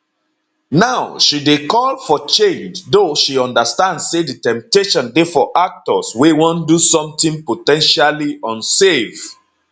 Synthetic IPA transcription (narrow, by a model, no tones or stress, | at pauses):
naʊʃidekɔlfɔt͡ʃẽnd͡ʒdoʃiɔ̃ndəstãndsseditɛ̃mp̚teʃɔ̃ndefɔʔak̚tɔswewɔ̃ndusɔ̃mtĩnpotɛ̃nʃaliɔ̃nsev